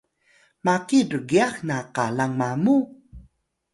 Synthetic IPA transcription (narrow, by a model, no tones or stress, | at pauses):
makirəɡiaxnaqalaŋmamu